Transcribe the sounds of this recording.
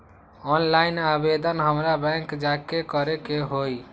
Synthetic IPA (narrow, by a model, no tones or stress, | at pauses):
ɔnlaɪnabed̪ʱənɦəmɾabɛ̃ŋkd͡ʒakekɔɾekeɦoj